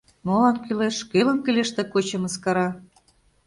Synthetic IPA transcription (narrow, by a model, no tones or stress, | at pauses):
molɑnkyleʃkelə̆mkɘ̆lʲeʃt̪ĕkot͡ɕɤ̆mə̆skɑɾɑ